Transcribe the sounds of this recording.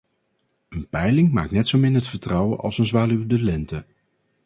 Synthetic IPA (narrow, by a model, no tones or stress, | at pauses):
ənpɛjlɪŋma̰ːktnɛtsowmɪnɦətfəɹtrɑwə̰nʔɑ̰lˠsənzʋaːlywdəlɛntə